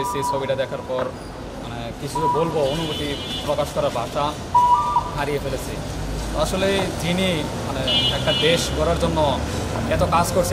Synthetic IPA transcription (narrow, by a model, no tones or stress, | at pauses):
et͡ɕʰit͡ɕʰobiʈad̪ɛkʰaɾpɔɾ | manekit͡ɕʰuobolboonubot̪ipɾɔkaʃkɔɾaɾbaʃa | ɦaɾijefelet͡ɕʰi | t̪oaʃoled͡ʑini | maneɛkʈad̪eʃɡʱɔɾaɾd͡ʑonːoɛt̪okad͡ʑkoɾt͡ɕʰ